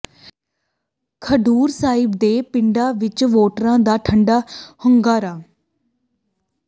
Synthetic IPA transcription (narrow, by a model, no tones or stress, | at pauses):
kʰəɖuːɾsaːɪbd̪eːpɪɳɖaːʋɪt͡ʃʋoːʈɾãːd̪aːʈʰəɳɖaːhʊŋɡaːɾaː